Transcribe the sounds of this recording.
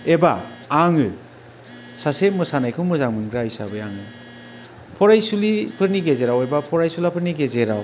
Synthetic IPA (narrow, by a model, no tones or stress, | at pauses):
ebaːŋɯ | sasemɯsanajkʰɯnmɯzaŋmɯŋɡɾahisabɯjaŋɯ | pʰɔɾajsulipʰɯɾniɡezeɾawebapʰɔɾajsulapʰɯɾniɡezeɾaw